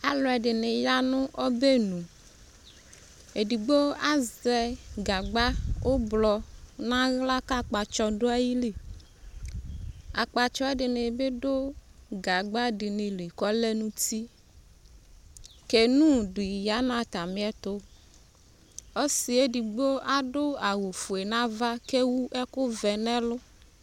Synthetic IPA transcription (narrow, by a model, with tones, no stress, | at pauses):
a˨lɔ˨ɛ˨ɖɪ˨ne˨ja˦nʊ̃˦ʔɔ˦be˦nũ˨ | e˨di˨ɡ͡bo˦a˦zɛ˨ɡa˨ɡ͡ba˦wo˦blɔ˨nã˦ɣla˦ka˦˨k͡pa˨t͡ʃɔ˦do˦a˦ji˦li˨ | a̰˨k͡pa˨t͡ʃɔ˦e˦dɪ˨ne˨be˦ɖo˦ɡa˨ɡ͡ba˦dɪ˨nɪ̃˨li˨kɔ˦le˦nũ˦t̪i˦ | ke˨nũ˦du˨ja˨˦nã˦t̪a˨mĩ˦ɛ˦t̪ʊ˦ | o˦si˨e˦di˨ɡ͡bo˦a˦dʊ˦a˨wo˨fu˨e˨nã˦va˦ke˦wu˦ʔɛ˦kʊ˦vɛ˨nɛ̃˦lʊ˦